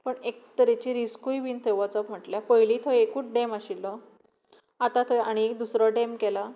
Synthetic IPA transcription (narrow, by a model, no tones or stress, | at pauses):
pəɳekt̪əɾet͡ɕiːɾiskujʋiːnt̪ʰeʋɔt͡sɔpm̤əʈljapəɦjlit̪ʰɔekuːʈɖemaɕilːɔ | at̪ãt̪ʰɔjaɽ̃iek̚d̪usɾɔɖemkɛla